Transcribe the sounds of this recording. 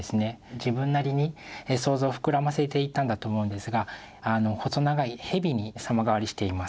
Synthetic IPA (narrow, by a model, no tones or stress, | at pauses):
esɨne̞d͡ʑibɯ̟̃nːaɾʲiɲ̟ieso̞ːzo̞ːɸɯ̟̥kɯ̟ɾamase̞t̪e̞it̪ːãnd̪at̪oːmo̞ɯ̃nd̪e̞sɨɡa | ano̞hoso̞naɡaihe̞bʲiɲ̟isamaɡaβaɾʲiɕi̥t̪e̞imas